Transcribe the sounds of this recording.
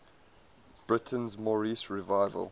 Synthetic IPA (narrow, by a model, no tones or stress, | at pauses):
b̥ɹɪtʰə̃nzmɔɹisɹivaɪvə̰lˠ